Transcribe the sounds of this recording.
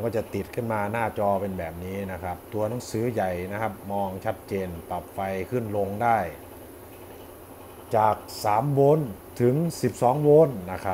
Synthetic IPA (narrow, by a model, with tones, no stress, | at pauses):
kɔː˥˩t͡ɕa˨˩t̪i˨˩t̪̚kʰɯ˥˩nmaː˧naː˥˩t͡ɕɔː˧pe˧nbɛː˨˩p̚niː˦˥na˦˥kʰa˦˥p̚t̪u˧ɐna˨˩˦ŋsɯː˨˦ja˨˩jna˦˥kʰa˦˥p̚mɔː˧ŋt͡ɕʰa˦˥t̪̚t͡ɕeː˧npa˨˩p̚fa˧jkʰɯ˥˩nlo˧ŋdaː˥˩j | t͡ɕaː˨˩k̚saː˩˦mwoː˧˥n | t̪ʰɯ˩˦ŋsi˨˩p̚sɔː˨˩˦ŋwoː˧˥nːa˦˥kʰa˦˥